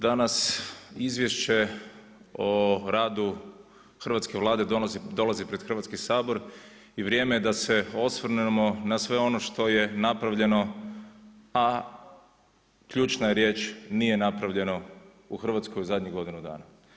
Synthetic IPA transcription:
d̪anasizʋje̞ʃt͡ʃe̞ | oɾaːd̪u | xr̩ʋat̪ske̞ʋlˠaːd̪e̞d̪o̞lˠazipɾe̞d̪xr̩ʋat̪skisaːbo̞ɾ | iʋɾjeːmejed̪ase̞o̞sʋr̩nemo̞nasʋe̞o̞no̞ʃt̪o̞je̞napɾaʋʎe̞no̞ | a | kʎuːt͡ʃnajeɾje̞ːt͡ʃnije̞napɾaʋʎe̞no | uxr̩ʋat̪sko̞juzad̪ʲɲiɡo̞d̪inud̪a̰ːna

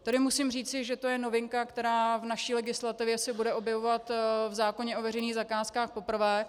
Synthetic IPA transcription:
t̪adɪmusɪmriːt͡sɪʒɛt̪o̞jɛno̞vɪŋkakt̪ɛɾaːvnaʃiːlɛɡɪslat̪ɪvjɛsɛbudɛʔo̞bjɛvo̞vat̪vzaːko̞ɲɛʔo̞vɛɾrɛjniːɣzakaːskaːxpo̞pr̩vɛː

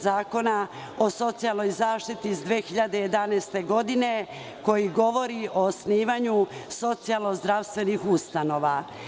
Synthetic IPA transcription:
zaːko̞na | o̞so̞t̪sialˠno̞jzaːʃt̪it̪iːzd̪ʋeːxiʎad̪e̞je̞d̪anɛːst̪e̞ɡo̞d̪ine̞ | ko̞jiɡo̞ʋo̞ɾiʔo̞ːsniːʋaɲuso̞t̪sialˠno̞zd̪ɾaʋst̪ʋe̞nixust̪ano̞ːʋa

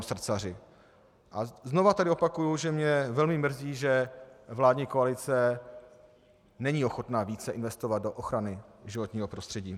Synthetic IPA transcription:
sr̩t͡sarɪ | ʔazno̞vat̪adɪopakujuʒɛmɲɛvɛlmɪmr̩ziːʒɛvlaːdɲiːkoalɪt͡sɛ | nɛɲiːo̞xo̞t̪naːviːt͡sɛʔɪnvɛst̪o̞vad̪̚do̞ʔoxɾanɪʒɪvo̞t̪ɲiːɦo̞pɾo̞st̪r̥ɛɟiː

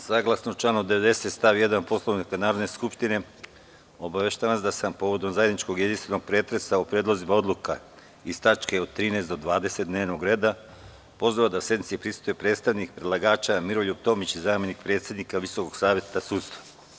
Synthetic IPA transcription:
saɡlˠasnot͡ʃlˠaːnod̪eʋe̞d̪e̞se̞t̪st̪aʋije̞d̪anpo̞slˠoʋnikanaːɾod̪ne̞skupʃt̪ine̞ | o̞baʋeʃt̪aʋansd̪asampo̞ʋo̞d̪o̞mzajed̪nit͡ʃko̞ɡje̞d̪inst̪ʋe̞no̞ɡ̥̚pɾe̞ːt̪ɾe̞saupɾed̪lˠozimao̞d̪luka | ist̪at͡ʃke̞od̪̚t̪ːɾiːneːst̪d̪o̞d̪ʋaːd̪e̞se̞t̪̚d̪ne̞ːʋnoɡɾe̞ːd̪a | po̞zoʋad̪asje̞d̪nit̪sipɾist̪ojepɾet̪st̪aʋnik̚pɾe̞d̪lˠaɡaːt͡ʃamiɾo̞ʎup̚t̪o̞mit͡ɕizaːmjenikpɾet̪sjed̪nikaʋisoko̞ɡ̥saːʋjet̪asuːt̪st̪ʋa

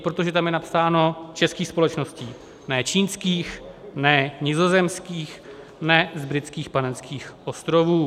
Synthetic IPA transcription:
pɾo̞t̪o̞ʒɛt̪amjɛnapsaːno̞t͡ʃɛskiːxspo̞lɛt͡ʃno̞sciː | nɛːt͡ʃiːnskiːxnɛɲɪzo̞zɛmskiːx | nɛzbɾɪt̪t͡skiːxpanɛnskʰiːxʔo̞st̪ɾo̞vuː

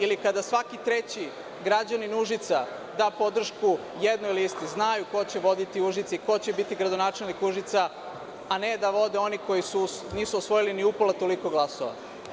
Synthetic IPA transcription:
ilikad̪asʋakit̪ɾe̞t͡ɕi | ɡɾad͡ʑaninuʒit̪sa | d̪aːpo̞d̪r̩ʃku | jed̪nuiliist̪iznajuko̞t͡ɕeʋo̞d̪it̪iuʒit̪seiko̞t͡ɕebit̪iɡɾad̪onaːt͡ʃe̞lnikuʒit̪sa | ane̞d̪aʋo̞d̪e̞o̞niko̞jisuniːsuosʋo̞jiliniupolat̪o̞liko̞ɡlˠasoʋa̰

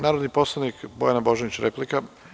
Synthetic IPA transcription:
naːɾod̪nipo̞slˠanikbojanaboʒeʋit͡ɕɾeplika

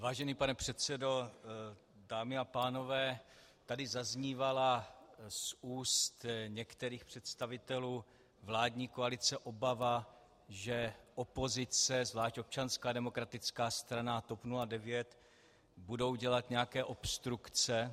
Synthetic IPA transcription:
vaːʒɛniːpanɛpr̝̥ɛt̪st͡sɛdo̞ | daːmɪapaːno̞vɛː | t̪adɪzazɲiːvalasuːst̪ɲɛkt̪ɛɾiːxpr̝̥ɛt̪st̪avɪt̪ɛluː | vlaːdɲiːkoalɪt͡sɛʔo̞bava | ʒɛʔo̞po̞zɪt͡sɛzvlaːʃto̞p̚t͡ʃanskaːdɛmo̞kɾat̪ɪt͡skaːst̪ɾanat̪o̞pnuladɛvjɛt̪ | budo̞wɟɛlat̪ɲɛjakɛːʔo̞pst̪ɾukt͡sɛ

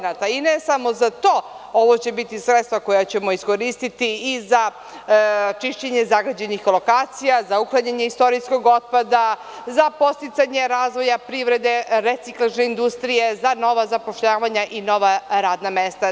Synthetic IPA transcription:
nat̪ainesamo̞zat̪o̞ | oʋo̞t͡ɕe̞bit̪isɾet̪st̪ʋako̞jat͡ɕe̞mo̞isko̞ɾist̪it̪iiza | t͡ʃiʃt͡ɕeɲe̞zaɡad͡ʑe̞nixlo̞kaːt̪sijazauklˠaɲaɲeist̪o̞ɾisko̞ɡo̞t̪̚pad̪a | zapo̞st̪it̪saɲe̞ɾaːzʋo̞japɾiʋɾe̞d̪e̞ɾet̪iklˠaʒne̞ind̪ust̪ɾije̞zano̞ʋazapo̞ʃʎaːʋaɲaʔino̞ʋaɾaːd̪namest̪a

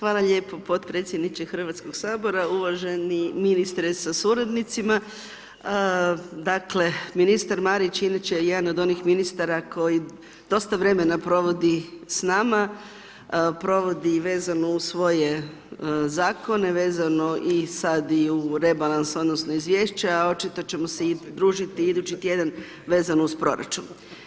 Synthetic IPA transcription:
xʋaːlˠaʎe̞ːpo̞po̞t̪pɾe̞ːt̪sʲjed̪nit͡ʃexr̩ʋat̪sko̞ɡsaːbo̞ɾauʋaʒeniminist̪ɾesasuɾad̪nit̪sima | d̪akle̞minist̪aɾmaːɾit͡ʃinit͡ɕejed̪anod̪o̞nixminist̪aɾakʰo̞ji | d̪̥o̞st̪aʋɾe̞menapɾo̞ʋo̞d̪isnaːma | pɾo̞ʋo̞d̪iʋe̞ːzanousʋo̞je̞ | zaːko̞ne̞ʋe̞ːzano̞ʔisad̪iuɾe̞balˠanso̞d̪no̞sno̞izʋjeːʃt͡ɕaao̞t͡ʃit̪o̞t͡ɕe̞moseid̪ɾuːʒit̪iid̪ut͡ɕit̪je̞d̪an | ʋe̞ːzanouspɾo̞̰ɾa̰t͡ʃun

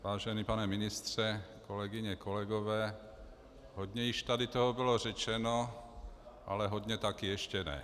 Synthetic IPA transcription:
ʋaːʒɛniːpanɛminist̪r̝̥ɛkolɛɡiɲɛkolɛɡovɛː | ɦodɲɛjɪʃt̪adit̪oɦɔbilorɛt͡ʃɛno | ʔa̰lɛɦɔd̪ɲɛt̪akiɛʃcɛnɛ̰

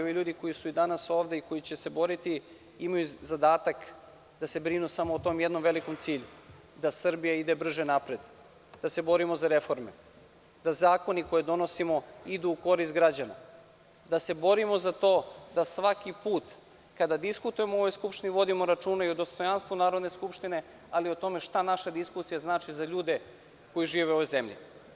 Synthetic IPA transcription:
oʋiʎuːd̪iko̞jisuid̪anaso̞ːʋd̪e̞iko̞jit͡ɕe̞se̞bo̞ɾit̪i | imajuzad̪aːt̪ak | d̪ase̞bɾinusamoːt̪o̞mjed̪no̞mʋe̞liko̞mt̪siːʎu | d̪asr̩bijaid̪e̞br̩ʒenapɾe̞d̪ | d̪ase̞bo̞ɾimo̞zaɾe̞fo̞ɾme̞̰ | d̪azaːko̞niko̞jed̪o̞no̞simo̞id̪uːko̞ɾist̪ɡɾad͡ʑana̰ | d̪ase̞bo̞ɾimo̞zat̪o̞ːd̪asʋakipuːt̪ | kad̪ad̪iskut̪uje̞moo̞ʋo̞jskupʃt̪iniʋo̞d̪imo̞ɾat͡ʃuːnaiod̪ost̪o̞janst̪ʋunaːɾod̪ne̞skupʃt̪ine̞ | aliot̪o̞me̞ʃt̪anaʃad̪iskusijaznaːt͡ʃizaʎuːd̪e | ko̞jiʒiːʋeo̞ʋojze̞mʎḭ

